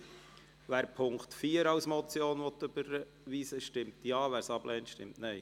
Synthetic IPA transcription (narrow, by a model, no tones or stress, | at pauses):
ʋæːɾpʰʊŋktfiːəɾɑwsmɔt͡sjoːnʋɔtːøb̥əɾ | ʋiːsəʃtɪmtjɑːʋæːɾsɑb̥lʔɛːntʃtɪmtnɛɪ